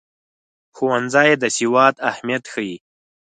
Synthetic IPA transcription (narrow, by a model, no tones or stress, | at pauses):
xuwanzɑjed̪əsiwɑːt̪ahmijat̪xəji